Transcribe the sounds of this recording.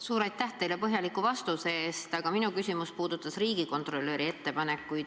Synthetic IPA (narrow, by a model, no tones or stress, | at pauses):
suːɾɑjt̪ːæht̪e̞jle̞pɤɦjɑlikuvɑst̪use̞eːst̪ɑɡ̥ɑminukysʲimuspuːd̪̥ut̪ːˑɑsriːɡ̥iko̞nt̪ˑro̞lːøːɾie̞t̪ːe̞pɑne̞kːˑuj